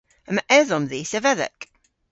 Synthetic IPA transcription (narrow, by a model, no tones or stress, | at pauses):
əmaʔɛðɔmðiːsɛvɛðə̰k